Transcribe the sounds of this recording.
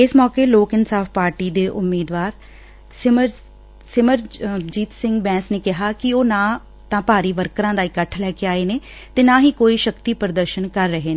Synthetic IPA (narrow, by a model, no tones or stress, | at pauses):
ɪsmɔːkeːloːkɪnsaːfpaːɾʈiːd̪eːʔʊmːiːd̪ʋaːɾ | sɪməɾd͡ʒiːt̪sɪ̃ŋɡbɛ̃ːsneːkɪɦaːkɪoːnãː | t̪ãːpaːɾiːʋəɾkɾãːd̪aːɪkəʈʰlɛːkeaːeːneː | t̪eːnaːɦiːkoːiːʃəkt̪iːpɾəd̪əɾʃənkəɾːəɦeːne